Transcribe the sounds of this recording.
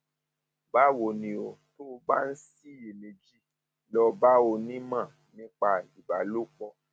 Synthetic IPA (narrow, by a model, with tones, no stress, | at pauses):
ba˦wo˧˨nĩ˧o˧to˦˧ba˦n̩˦si˦i˨mĩ˨d͡ʒi˦ | lɔ˧ba˦o˧nĩ˦mã˦˨ | nĩ˦k͡pa˧i˨ba˨lu˦k͡pɔ˧